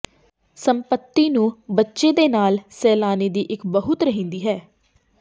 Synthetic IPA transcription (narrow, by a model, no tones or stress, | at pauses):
səmpət̪ːiːnũːbətːʃeːd̪eːnaːlsɛːlaːneːd̪iːʔɪkbəɦʊt̪ɾəɦĩːnd̪iːɦɛː